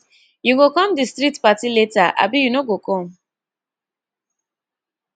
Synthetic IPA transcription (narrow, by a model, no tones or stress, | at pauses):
juɡokɔ̃mdistɹitpatiletaʔa̰bijunoɡokʰɔ̃m